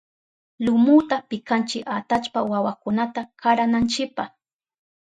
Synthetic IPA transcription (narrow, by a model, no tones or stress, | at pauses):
lʊmʊt̪apɪkant͡ʃɪkat̪at͡ʃpawawakʊnat̪akaɾanant͡ʃɪpaχ